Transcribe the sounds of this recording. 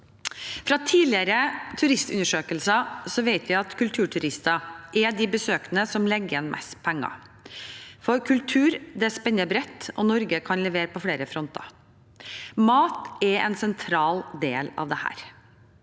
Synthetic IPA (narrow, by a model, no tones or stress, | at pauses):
fɾɑt̪ʰiːlɪəɾət̪ʰʉɾɪst̪ʉ̰nːəʂøːkəlsɑsɔʋeɪt̪ʰʋæɪɑt̪kʰʉlt̪ʰʉːʈʰʉɾɪst̪ɑʔɛd̪ɪbəsøːknəsɔmlɛɡːɛnmʔɛ̰spʰɛŋːɑ̰ | fɔɾkʰʉlt̪ʰʉːɾd̪ɛæʂpɛnːəbɾɛt̪ːɔ̰nɔɾɡəkʰɑnlɛʋeːɾəpɔfleːɾəfɾɔnt̪ɑ̰ | mɑːt̪ɛɛ̰nsɛnt̪ʰɾɑːld̪eːlɑ̰ʋd̪ɛhæ̰ːɾ